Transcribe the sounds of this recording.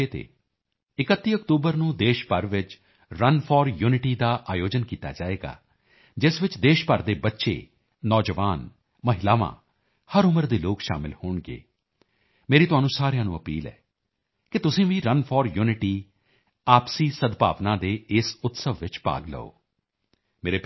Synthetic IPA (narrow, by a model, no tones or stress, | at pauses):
eːt̪ḛː | ɪkət̪ːiːəkt̪uːbəɾnũːd̪eːʃpəɾʋɪt͡ʃ | ɾənpʰɔːɾjuːnɪʈiːd̪aːʔaːjoːd͡ʒənkiːt̪a̰ːd͡ʒaːeːɡa̰ː | d͡ʒɪsʋɪt͡ʃd̪eːʃpəɾd̪eːbətːʃḛː | nɔːd͡ʒəʋaːn | məɦɪlaːʋã̰ː | həɾʊməɾd̪eːloːkʃa̰ːmɪ̰lhoːɳɡḛː | meːɾiːt̪ʊɦaːnũːsaːɾejãːnũːəpḭːlɛ̰ː | kɪt̪ʊsĩːʋĩːɾənpʰɔːɾjuːnɪʈiː | aːpsiːsəd̪pa̰ːʋnãːd̪eːɪsʊt̪səʋːɪt͡ʃpa̰ːɡlə̰o̰ː | meːɾeː